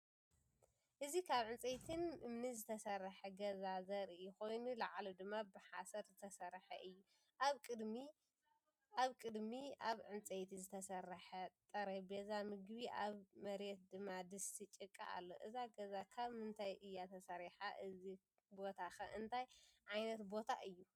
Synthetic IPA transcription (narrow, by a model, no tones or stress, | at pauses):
ʔɨzikʰaβʕɨnt͡sʼejt̪ʰɨnʔɨmnizɨt̪ʰɐsɐɾːɐħɐɡɐzazɐɾɪxo̞jnulɐʕlod̪ɨmːabɨħasɐɾzɨt̪ʰɐsɐɾħɐ̰ʔɨjːu | aβkʼɨd̪mi | aβkʼɨd̪miʔaβʕɨnt͡sʼejt̪ʰizɨt̪ʰɐsɐɾːɐħɐt̪ʼɐɾɐbezamɨɡbiʔaβmɐɾet̪̚d̪ɨmːad̪ɨsit͡ʃʼɨkʼːa̰ʔa̰lːo̞̰ʔɨzaɡɐzakʰaβmɨnt̪ʰajʔɨjːat̪ʰɐsɐɾiħaʔɨzi | bo̞t̪ʰaxɐʔɨnt̪ʰajʕajnɐt̪bo̞t̪ʰa̰ʔɨjːu